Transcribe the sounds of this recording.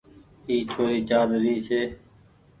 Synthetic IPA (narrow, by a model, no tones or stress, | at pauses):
iːt͡ʃʰoːɾiːt͡ʃaːd̪ɾiːseː